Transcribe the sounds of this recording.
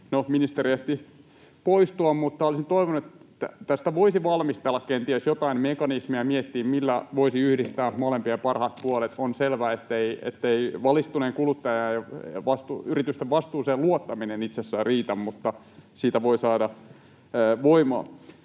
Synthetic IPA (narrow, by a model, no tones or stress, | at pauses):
nominist̪erieht̪i | poist̪uɑmmut̪ːɑolisint̪oiʋonuet̪ːæt̪æst̪æʋoisiʋɑlmist̪elːɑkkent̪iesjot̪ɑinmekɑnismiæmiet̪ːiːmmilːæʋoisiyhdist̪æːmolempiempɑrhɑt̪̚puolet̪onselʋæːet̪ːeiḛt̪ːeiʋɑlist̪uneːŋkulut̪ːɑjɑjɑʋɑst̪uyrit̪yst̪eʋʋɑst̪uːseluot̪ːɑminenit̪sesːæːriːt̪æmmut̪ːɑ | siːt̪æʋoisɑːdɑː | ʋoimoɑ̰